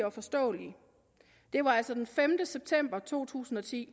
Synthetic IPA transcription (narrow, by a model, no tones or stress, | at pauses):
ɒ̽fɒ̽sd̥ɔ̰̽ːli | d̥e̝ʋɑ̈æl̰sɒd̥enfemd̥əseb̥̚t͡sʰem̰b̥ɐt͡sʰo̝̰ːt͡sʰṵːsn̩ɒ̽t͡sʰḭː